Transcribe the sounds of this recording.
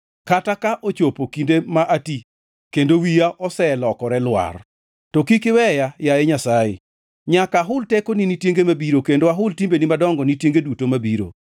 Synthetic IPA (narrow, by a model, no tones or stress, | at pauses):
katakaʔot͡ʃopokindemaʔati | kendowijaʔɔsɛlɔkɔɾɛlwa̰r | tɔkikɪwɛjajajeɲasajɪ̰ | ɲakaɦʊltekoninitjeŋɡemabiɾokendoaɦʊltimbenimadɔŋɡɔnitjeŋɡedutomabiɾo̰